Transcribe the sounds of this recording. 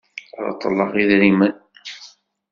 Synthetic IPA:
ɾˤɑ̰t̪ˤːəlːɑʁiðɾimən

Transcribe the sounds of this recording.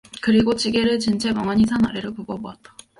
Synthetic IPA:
kɯɾiɡot͡ɕ͈iɡe̞ɾɯɭt͡ɕint͡ɕʰe̞mʌŋaɲisʰana̰ɾeɾɯɭpubʌboat̚t͈ḁ

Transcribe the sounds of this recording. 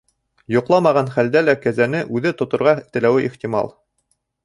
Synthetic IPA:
jŏqlˠɑmɑʁɑnχæld̪ælækæzænɘʔʉðɘt̪ŏt̪ŏɾʁɑt̪ɘ̆læwɘʔiχt̪ʲimɑ̰lˠ

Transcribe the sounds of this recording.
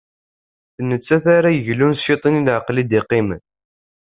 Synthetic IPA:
θnət͡sːæθaɾajəʝlunset̪ˤinilʕqlid̪iqimən

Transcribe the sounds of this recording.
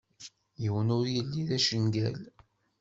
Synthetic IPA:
jəwənʊɾjəlːiðæʃənɡæl

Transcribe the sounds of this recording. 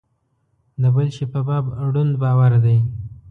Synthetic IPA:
d̪əbəlʃepabɑbɽund̪bɑwaɾd̪aj

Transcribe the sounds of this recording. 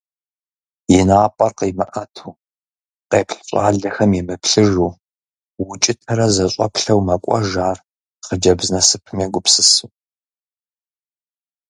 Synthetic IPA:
jɪnaːpʼɐrqiːmɐʔɐtʰuː | qeːpɬɕʼa̰ːɮɐxɐmjɛmɨpɬɨʒuː | wʊt͡ʃʼɪtʰɐɾɐzɐɕʼɐ̰pɬɐwmɐkʷʼɔ̰ʒaːr | χəd͡ʒɐbznɐsɨpʰɨmjeɡʷʊpsɨsu

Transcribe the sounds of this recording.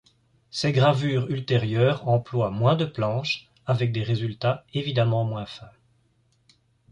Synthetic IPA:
sɛɡʁavyːʁylt̪eʁjœːʁɑ̃plwamwɛ̃d̪əplɑ̃ʃ | avɛk̚d̪eʁezylt̪aevid̪amɑ̃mwɛ̃fɛ̃

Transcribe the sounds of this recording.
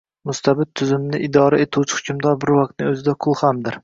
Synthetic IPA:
mʊst̪ʰabɪt̪̚t̪ʰːʊzɪmnɪʔɪd̪ɒɾaet̪ʰuwt͡ʃʰɪ̥χʊ̥kʰʲɪmd̪ɒɾbɪɾwɒq̚t̪̚nɪɵzɪd̪aqʰʊlˠhamd̪ɪɾ

